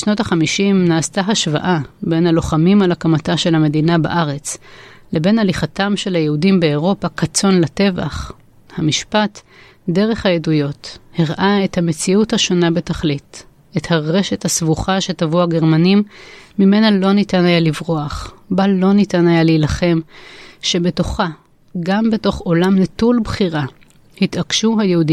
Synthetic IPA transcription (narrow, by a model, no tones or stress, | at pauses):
ʃno̞taχamiʃimnaːstaɦaʃva̰ʔabe̞nhalo̞χamimalakamataʃe̞lhame̞dinaba̰ʔaʁe̞t͡s | le̞be̞naliχatamʃe̞lhajeudimbe̞ːʁo̞pakat͡so̞nlate̞va̰χ | hamiʃpat | de̞ʁe̞χhajedujo̞thiʁʔaethame̞t͡siuthaʃo̞nabe̞taχlit | e̞thaʁe̞ʃe̞thasvuχaʃe̞tavuaɡe̞ʁmanimːime̞nalo̞nitanajalivʁoaχbalo̞nitanajaleilaχe̞mʃe̞be̞to̞χa | ɡambeto̞χo̞lamnetulbχiʁa | hitakʃuɦajehudi